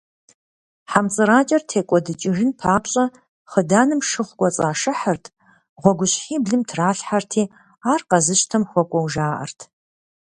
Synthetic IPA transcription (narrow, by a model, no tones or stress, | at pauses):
ħamt͡sʼɨɾaːt͡ʃʼɐrtʰeːkʷʼɔdɨt͡ʃʼɪʐɨnpʰaːpɕʼɐ | χədaːnɨmʂɨχʷkʷʼɔt͡sʼaːʂɨħɐrtʰ | ʁʷɔɡʷʊɕħiːbɮɨmtʰraːɬħartʰiː | aːrqɐzɨɕtʰɐmxʷɔkʷʼɔwʒaːʔɐ̰rtʰ